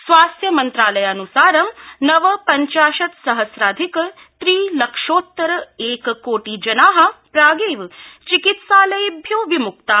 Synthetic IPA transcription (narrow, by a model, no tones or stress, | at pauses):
sʋaːst̪jɐmɐnt̪ɾaːlɐjaːnusaːɾɐmnɐʋɐpɐɲt͡ʃaːʃɐt̪sɐɦɐsɾaːd̪ʱikɐ | t̪ɾiːlɐkʂoːt̪ːɐɾɐeːkɐkoːʈid͡ʒɐnaːɦɐ̆pɾaːɡeːʋt͡ʃikit̪saːlɐjɐbʱjuːʋimukt̪a